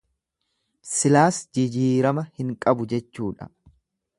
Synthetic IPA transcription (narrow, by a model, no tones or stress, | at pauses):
sɪlaːsd͡ʒɪd͡ʒiːɾɐmɐhɪŋkʼɐbʊd͡ʒɛt͡ʃːuːᶑɐ̰